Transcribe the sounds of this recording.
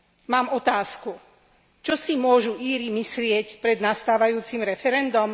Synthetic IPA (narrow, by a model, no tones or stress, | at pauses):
maːmɔt̪aːsku | t͡ʃɔsimʊɔʒuʔiːɾimislɪɛcpɾɛd̪nast̪aːʋajuːt͡simɾɛfɛɾɛnd̪ɔm